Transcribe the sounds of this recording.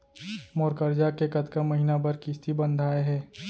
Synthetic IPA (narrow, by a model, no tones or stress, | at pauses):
moːɾkəɾd͡ʒaːkːekɐt̪kamɐɦinabɐɾkɪst̪ʰibɐ̃nd̪ʱaːeɦɛː